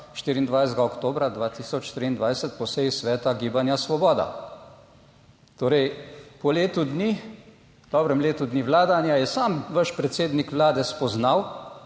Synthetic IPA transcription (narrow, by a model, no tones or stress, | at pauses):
ʃt̪iːɾiːnd̪ʋajst̪ɡaɔkt̪oːbɾad̪ʋaːt̪iːsɔt͡ʃːt̪ɾiːnd̪ʋajsɛt̪pɔsɛjisʋɛːt̪aɡiːbanjasʋɔbɔːd̪a̰ | t̪oːɾɛjpɔleːt̪ud̪ni | d̪ɔːbɾɛmleːt̪ud̪niʋlaːd̪anjajɛsaːmʋəʃpɾɛt̪seːd̪nikʋlaːd̪ɛspɔznaw